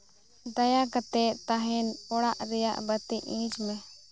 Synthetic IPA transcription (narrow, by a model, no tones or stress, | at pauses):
d̪ajakət̪ɛt̪aɦɛnɔɽaʔɾɛja̰ʔbət̪iʔĩd͡ʒmɛ